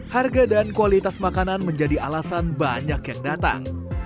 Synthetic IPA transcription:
harɡadankualit̪asmakananməɲd͡ʒadialasanbaɲakjaŋdat̪a̰ŋ

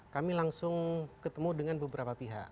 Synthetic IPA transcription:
kamilaŋsʊŋkət̪əmudəŋanbəbəɾapapiɦa̰ʔ

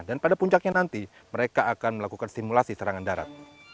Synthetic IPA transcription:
danpadapuɲt͡ʃak̚ɲanant̪i | məɾekaːkanməlakukansimulasisəɾaŋandaɾa̰t̪̚

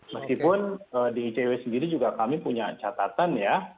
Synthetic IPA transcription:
məskipʊnəːdiːt͡ʃeɛsəndiɾid͡ʒuɡakamipuɲat͡ʃat̪at̪anja

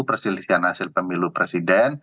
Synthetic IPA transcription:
pərsilisianhasɪlpəmilupɾɛsidɛn

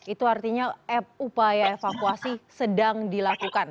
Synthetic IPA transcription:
it̪uart̪iɲaɛp̚upajaefakuasisədaŋdilakukan

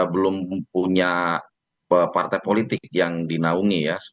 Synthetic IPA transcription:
bəlʊmpuɲa | əpart̪ajpolit̪ɪk̚jaŋdinauŋijas

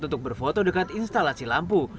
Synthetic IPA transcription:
t̪unt̪ʊk̚bərfot̪odəkat̪inst̪alasilampu

